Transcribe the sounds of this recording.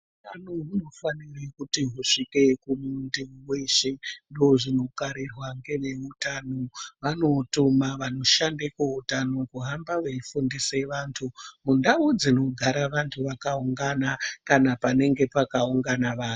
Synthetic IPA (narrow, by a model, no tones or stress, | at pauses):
utanoɦuno̞fanirekutiɦuʂike̞kumundiuweʃendoːʐinokaɾirwaŋɡe̞ʋe̞utanoʋano̞tumaʋano̞ʃandekeɦutano̞kuɦambaʋeifundiseʋaːntʰumundaud͡zino̞ɡʱaɾaʋantʰuʋakauŋɡanakanapane̞ŋɡe̞pakauŋɡanaʋaːn